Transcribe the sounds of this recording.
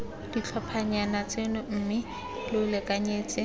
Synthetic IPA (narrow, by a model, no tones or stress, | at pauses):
d̥it͡ɬʰapʰaɲanat͡sʼenʊm̩ːmɪ | lɪlɛkʼaɲeːt͡sʼɪ